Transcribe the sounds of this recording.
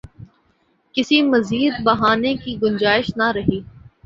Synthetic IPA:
kɪsimɐziːd̪bɐɦaːnekiɡʊnd͡ʒaːɪʃnɐɾɐɦiː

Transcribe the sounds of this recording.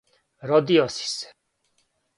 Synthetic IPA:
ɾɔd̪iɔsi̥s

